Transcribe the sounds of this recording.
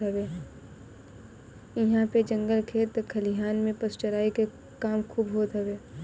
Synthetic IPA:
ɦɐbeː | ɪɦãped͡ʒə̃ŋɡəlkʰeːɾt̪əkʰːɐliɦaːnmẽpəst͡ʃəɾaːike | kaːmkʰuːbɦoːt̪ɦɐʋeː

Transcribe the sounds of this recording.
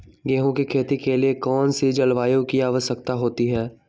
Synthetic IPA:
ɡɛːɦõkikʰeːt̪ikeliekɔːnsed͡ʒɐlʋaːjõkiaːʋəʃəkt̪aɦoːt̪iɦɛː

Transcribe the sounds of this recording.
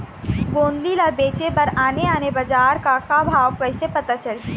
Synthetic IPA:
ɡõːnd̪ilabeːt͡ʃepɐɾaːneaːnebəd͡ʒaːɾkakabʱaːwpɐɦɪsepɐt̪at͡ʃəli

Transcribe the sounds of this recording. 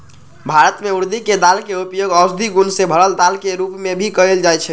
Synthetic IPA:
bʱaɾət̪meuɾd̪iked̪alkeupjoɡəʊsd̪ʱiɡunsebʱəɾəld̪alkeɾupmebʱikəeld͡ʒajt͡ʃʰɛ

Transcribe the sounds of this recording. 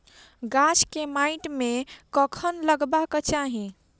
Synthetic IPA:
ɡat͡ʃkemaɪʈmekəkʰənləɡbaket͡ʃaɦi

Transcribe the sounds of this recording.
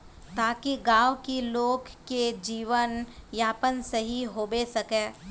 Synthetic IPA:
t̪aːkiɡaːʋkiloːɡked͡ʒiːʋənjaːpənsɐɦiɦoːbesɐkẽː

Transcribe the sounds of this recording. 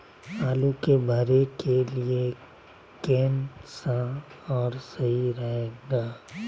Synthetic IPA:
aːlukebʱɐɾekelie | keːnsãɔːɾsɐɦiɾɐɦeːɡaː

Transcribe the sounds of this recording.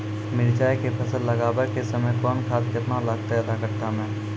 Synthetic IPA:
mɪɾd͡ʒaːekepʰɐsəlːɐɡaːbəɾkesɐməjkɔːnkʰaːt̪̚keɐt̪nalaːɡ̚t̪aɦeɐd̪akɐɾt̪amɛ̃ː

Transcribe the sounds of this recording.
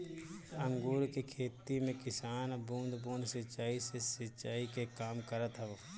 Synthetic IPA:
ə̃ŋɡuːɾkekʰeːt̪imẽkɪsaːnbũːnd̪buːnd̪sɪt͡ʃaːisesɪt͡ʃaːikekaːmkəɾət̪ɦɛo

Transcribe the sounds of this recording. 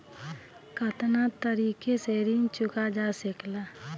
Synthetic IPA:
kət̪nat̪əɾiːkeseːɾint͡ʃʊkad͡ʒasɪkla

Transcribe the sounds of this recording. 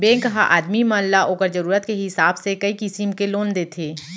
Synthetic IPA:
bẽːkəɦaʔaːd̪mimaːllaʔoːkəɾd͡ʒɐɾuːɾət̪keɦɪsaːbsekəikɪsimkeloːnd̪eːt̪ʰeː

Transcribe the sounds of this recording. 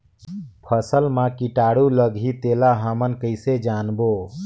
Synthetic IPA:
pʰəsəlmãkiʈaːɽuləɡʱit̪elaɦəmənkəɪsed͡ʒaːnbo

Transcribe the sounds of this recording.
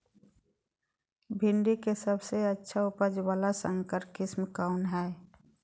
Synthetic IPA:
bʱɪɳɖikesəbseətːʃʰaʊpəd͡ʒwaːlasə̃ŋkəɾkɪsmkaʊnɦɛː

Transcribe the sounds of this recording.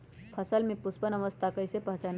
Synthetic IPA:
pʰəsəlmepʊspənəʋəst̪ʰakəɪsepəɦt͡ʃan

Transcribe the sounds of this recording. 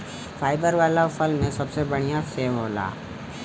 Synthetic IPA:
fʰaːɪbəɾʋaːlafɐlnẽsɐbsebɐɽ̃ijaseːʋɦo̰ːla̰ː

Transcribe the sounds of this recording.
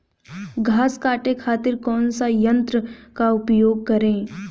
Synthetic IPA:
ɡʱaːskaːʈekʰaːt̪ɪɾkɔːnsajə̃nt̪ɾəkaʊpjoːɡ̚kɐɾẽː

